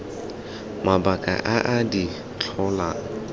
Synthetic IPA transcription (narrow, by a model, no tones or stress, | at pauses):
mabakʼa̰ʔaʔadi | t͡ɬʰɔlaːŋ̩